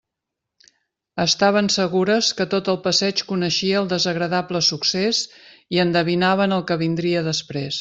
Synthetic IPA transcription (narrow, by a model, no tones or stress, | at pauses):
əst̪aβ̞ənsəɣuɾəskət̪ot̪əlˠpəsɛt͡ʃkunəʃiəːlˠd̪əzəɣɾəðapləsukseziənd̪əβinaβ̞ənəlˠkəβind̪ɾiəðəspɾes